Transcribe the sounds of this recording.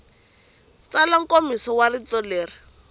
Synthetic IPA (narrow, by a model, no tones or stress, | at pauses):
t͡salaŋ̩komisɔwarit͡sɔleːri